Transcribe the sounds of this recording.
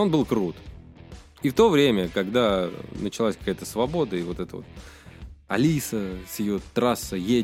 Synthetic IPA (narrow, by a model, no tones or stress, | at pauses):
onbɨlˠkɾut̪ | ift̪o̞vɾʲemʲəkɐɡd̪anət͡ɕɪlˠasʲkɐkajət̪əsvɐbo̞d̪əɪvo̞t̪ɛt̪əvo̰t̪̚ | ɐ̰lʲisəsjɪjo̞t̪ɾasːəje